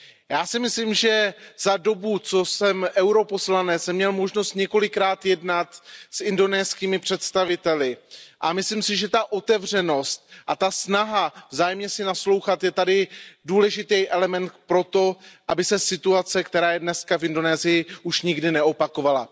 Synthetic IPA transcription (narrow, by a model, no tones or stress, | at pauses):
jaːsɪmɪslimʒɛzado̞but͡so̞sɛmʔɛwɾo̞po̞slanɛt͡sɛmɲɛlmo̞ʒno̞st̪ɲɛko̞lɪkɾaːt̪jɛdnat̪sɪndo̞nɛːskiːmɪpr̝̥ɛt̪st̪avɪt̪ɛlɪʔamɪsliːmsɪʒɛt̪aʔo̞t̪ɛvr̝ɛno̞st̪̚ʔat̪asnaɦavzaːjɛmɲɛsɪnaslo̞wxat̪jɛt̪adɪduːlɛʒɪt̪ɛjʔɛlɛmɛnt̪pɾo̞t̪o̞ʔabɪsɛsɪt̪uat͡sɛkt̪ɛɾaːjɛdnɛskafɪndo̞nɛːzɪjɪuʃɲɪɡdɪnɛo̞pako̞vala̰